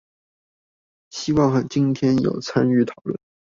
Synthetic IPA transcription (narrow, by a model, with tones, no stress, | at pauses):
ɕi˥wɑ˥˧ŋxa˨˧˩t͡ɕi˥nt̪ʰjɛ˥njo̰˨˩ʊt͡sʰa˥ny˥˩t̪ʰɑ˨˩ʊlwə̰˥˩n